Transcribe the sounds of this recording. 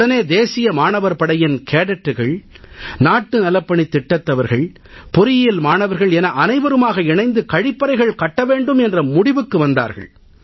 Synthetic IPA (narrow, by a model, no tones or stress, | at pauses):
ɐneːd̪eːsɪjɐmaːɳɐʋɐɾpɐɽɐjɪnkʰeːɽɐʈːɯɣɐɭ | naːʈːɯnɐlɐpːɐɳit̪ːɪʈːɐt̪ːɐʋɐɾɣɐɭ | pʊɾɪjɪlmaːnɐʋɐɾɣɐɭɛnɐʔɐnɐɪʋɐɾɯmaːɣɐɪɳɐɪnd̪ɯkɐɻɪpːɐɾɐɪɣɐɭkɐʈːɐʋeːɳɖɯmɛndrɐmʊɽɪʋɯkːɯʋɐnd̪a̰ːɾɣɐ̰ɭ